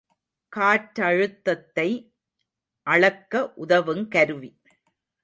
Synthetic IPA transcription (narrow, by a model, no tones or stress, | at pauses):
kaːʈːɐɻɯt̪ːɐt̪ːɐɪ | ʔɐɭɐkːɐʔʊðɐʋɯmkɐɾɯʋi